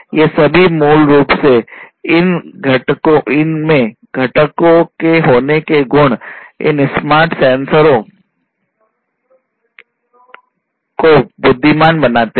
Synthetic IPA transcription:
jesɐbʱimuːlɾuːpseɪnɡʱɐʈkõɪnmẽ | ɡʱɐʈəkõkeɦoːnekeɡʊɽ̃ɪ̰nsmaːɾʈsɛ̃ːnsəɾõ | kobʊd̪ʱːimaːnbɐnaːt̪e

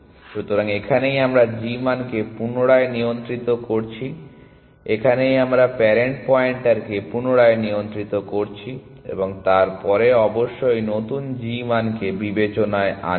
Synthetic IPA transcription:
ʃut̪oɾaŋekʰanejamɾad͡ʑimankepunoɽaenijont̪ɾit̪okoɾt͡ɕʰi | ekʰanejamɾapɛɾeɳʈ̚pɔjeɳʈaɾkepunoɽaeniont̪ɾit̪okoɾt͡ɕʰi | ḛboŋt̪aɾpɔɾeɔboʃːojnot̪und͡ʑimankebibet͡ɕonaea̰

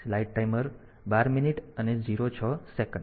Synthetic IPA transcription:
laiʈ̚ʈajməɾ | baɾminiʈəned͡ʑiɾot͡ʃʰɔsekəɳ

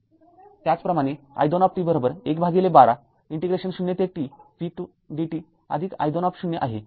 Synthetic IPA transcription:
t̪jat͡spɾəmaɽ̃e | a̰jd̪onɔp̚t̪ibəɾobəɾekbʱaɡilebaɽa | iɳʈeɡɾeɕənɕunjet̪eʈifiʈu | ɖiʈi | ə̰d̪ʱika̰jd̪onɔpɕunjeʔa̰ɦḛ

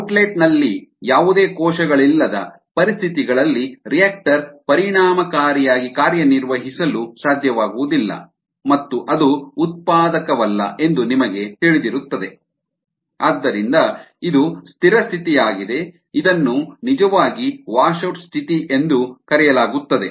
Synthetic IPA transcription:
ɐʈleːʈnɐlːijaːʋud̪eːkɔːʃɐɡɐɭilːɐd̪ɐ̰ | pɐɾist̪ʰit̪iɡɐɭɐlːiɾijaːk̚ʈɐɾpɐɾiɳaːmɐkaːɾijaːɡikaːɾjɐniɾʋɐɦisɐlusaːd̪ʱjɐʋaːɡuʋud̪ilːɐ̰ | mɐt̪ːuʔɐd̪uːt̪̚paːd̪ɐkɐʋɐlːɐ̰ʔe̞nd̪unimɐɡe̞t̪iɭed̪iɾut̪ːɐd̪e̞ | aːd̪ːɐɾind̪ɐ | id̪ust̪ʰiɾɐst̪ʰit̪ijaːɡid̪e̞ | id̪ɐnːunid͡ʒɐʋaːɡiʋaːʃuʈst̪ʰit̪iʔe̞nd̪ukɐɾɛjɐlaːɡut̪ːɐd̪e

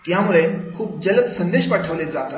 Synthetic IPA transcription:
t̪jamuɭekʰuːp̚d͡ʑələt̪sənd̪eɕpaʈʰəʋled͡zat̪a

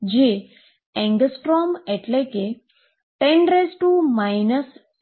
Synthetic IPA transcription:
d͡ʑe | ɛ̃ŋɡsʈɾɔmeʈleke | ʈẽɳɖɾesʈumajnəs

